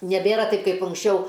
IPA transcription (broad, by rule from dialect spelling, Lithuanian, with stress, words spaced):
nʲɛˈbʲeːrɐ ˈtɐɪp kɐɪp ʊŋksʲˈt͡ʃʲɛʊ